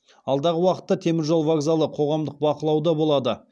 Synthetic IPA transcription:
ɑlˠd̪ɑʁəwɑqə̥t̪ːɑt̪ʰe̞mɪɾʒo̞lˠvaɡzalˠəqʰo̞ʁɑmd̪əq̚bɑqəlˠɑwd̪ɑbo̞lˠɑd̪ə

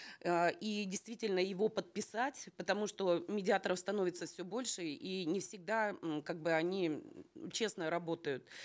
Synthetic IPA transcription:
əʔidʲɪjst̪vʲitʲɪlʲnəjɪvo̞pət̪̚pʲɪsatʲpət̪ɐmuʂt̪o̞mʲɪdʲɪat̪əɾəfst̪ɐno̞vʲɪt̪səfsʲɵbo̞lʲʂɨinʲɪfsʲɪɡ̚d̪akaɡ̚bɨɐnʲit͡ɕe̞snəɾɐbo̞t̪əjʊt̪̚

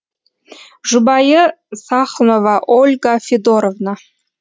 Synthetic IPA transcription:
ʒubɑjə | sɑχnovɑʔolʲɡɑfʲed̪oɾovna

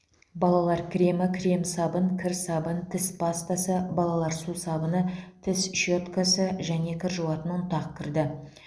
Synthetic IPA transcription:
bɑlˠɑlˠɑɾkʲʰɾʲe̞mɪkʲʰɾʲe̞msɑbənkʲʰɪɾsɑbənt̪ʰɪspʰɑst̪asəbɑlˠɑlˠɑɾsusɑbənət̪ʰɪsʃot̪kasəʒæne̞kʲʰɪɾʒuwɑt̪ənʊt̪ɑq̚kʲʰɪɾd̪ɪ

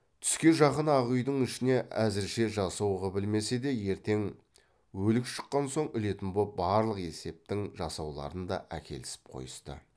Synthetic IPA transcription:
t̪ʰʏ̥skʲe̞nʒɑqənɑʁujd̪əɴɪʃɪne̞ʔæzɪɾʃe̞ʒɑsɑwʁɑbɪlme̞se̞d̪e̞je̞ɾt̪e̞ŋ | wɵlɪkʃə̥qːɑnso̞ɴʏle̞t̪ɪmbobɑɾlˠəqe̞se̞p̚t̪ɪŋʒɑsɑwlˠɑ̰ɾənd̪ɑ̰ʔæ̰kʲe̞̰lɪsɪ̥p̚qʰo̞̰jəst̪ə̰

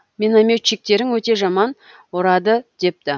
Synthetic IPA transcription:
mʲenamʲet͡ʃːik̚t̪e̞ɾɪŋwɵt̪e̞ʒɑmɑn | woɾɑd̪əd̪̥e̞p̚t̪ɪ

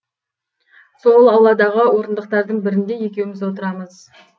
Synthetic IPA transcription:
so̞lˠɑwlˠːɑd̪ɑʁəwo̞ɾənd̪əq̚t̪ɑɾd̪əɴbɪɾɪnd̪e̞je̞kʲe̞wɪmɪzwo̞t̪əɾɑməz̥

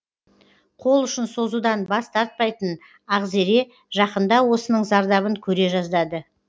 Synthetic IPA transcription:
qʰo̞lˠʏʃɪnso̞zud̪ɑnbɑst̪ʰɑɾt̪̚pɑjt̪ən | ɑʁze̞ɾe̞ | ʒɑqənd̪ɑwo̞sənəɴzɑɾd̪ɑβəŋkʲʰɵɾe̞ʒɑzd̪ɑd̪ə

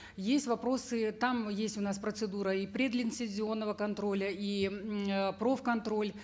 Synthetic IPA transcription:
jesʲtʲvɐpɾo̞sɨt̪amjesʲtʲʊnaspɾət̪sɨd̪uɾəipɾʲed̪lʲɪnsʲɪzʲɪo̞nːəvəkɐnt̪ɾo̞lʲəi | pɾo̞fkɐnt̪ɾo̞lʲ

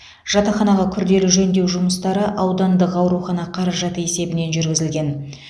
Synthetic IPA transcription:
ʒ̥ɑt̪ɑχɑnɑʁɑkʲʰʏɾd̪e̞lɪʒɵnd̪e̞wʒʊməst̪ɑɾəʔɑwd̪ɑnd̪əqɑwɾuχɑnɑqʰɑɾɑʒɑt̪əe̞se̞bɪne̞nʒʏɾɡʲɪzɪlɡʲe̞n

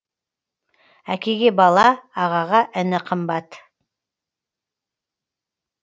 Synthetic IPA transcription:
ækʲe̞ɡʲe̞bɑlˠɑːʁɑʁɑʔɪnɪqʰəmbɑt̪

